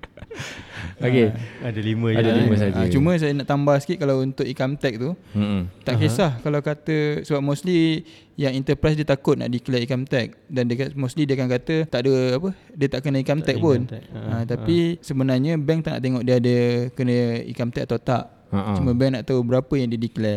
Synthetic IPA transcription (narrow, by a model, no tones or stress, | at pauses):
okeadalimə̃adaiəsad͡ʒət͡ʃumə̃s̬ajənaʔt̪ambahsə̥kiʔkalawunt̪ʊʔikamt̪ɛk̚t̪ut̪aʔkesahkalawkat̪əsəbap̚mosli | jaŋint̪əpɾas̬diət̪akʊt̪̚na̰ʔdikəlaikamt̪ɛk̚dandamoslidiakankat̪ət̪aʔdəapədiət̪aʔkənə̃ikamt̪ɛk̚pʊnãt̪apisəbənarɲə̃bɛŋt̪aʔna̰ʔt̪eŋɔʔdiəadəkənəḭkamt̪ɛkat̪aut̪aʔ | t͡ʃumə̃bɛŋnaʔt̪aubəɾapəjaŋdiədiklɛ